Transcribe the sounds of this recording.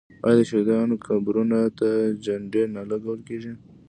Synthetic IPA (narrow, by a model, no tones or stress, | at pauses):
ɑ̰jd̪əʃed̪ɑnokʰabɾunat̪ad͡ʒaɳɖeɾnalaɡawəlkeʒi